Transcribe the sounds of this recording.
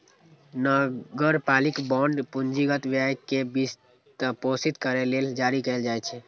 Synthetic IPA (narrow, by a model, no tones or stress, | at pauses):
nəɡəɾpalikbɔ̃ɳɖpund͡ʒiɡət̪ʋjajkebis | t̪posit̪kəɾeleld͡ʒaɾikɛld͡ʒajt͡ʃʰɛ